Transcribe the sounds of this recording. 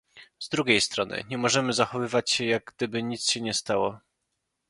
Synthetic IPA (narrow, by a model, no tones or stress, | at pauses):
zd̪ɾuɡʲejst̪ɾɔnɘ̰ɲɛmɔʐɛmɘzaxɔvɘvat͡ɕɕɛjaɡ̚ɡd̪ɘbɘɲit̪sɕɛɲɛst̪awɔ